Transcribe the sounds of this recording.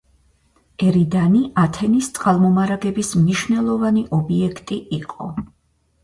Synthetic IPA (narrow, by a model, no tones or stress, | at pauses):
ɛɾid̪aniʔat̪ʰɛnist̪sʼqʼalˠmɔmaɾaɡɛbismniʃwvnɛlˠɔvaniʔɔbiɛkʰt̪ʼiʔiqʼɔ̰